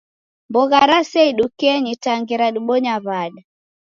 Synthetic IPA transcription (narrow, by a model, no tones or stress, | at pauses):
mbɔɣaɾasɛiɗukɛɲitaŋɡiɾaɗuɓɔɲaβaɗa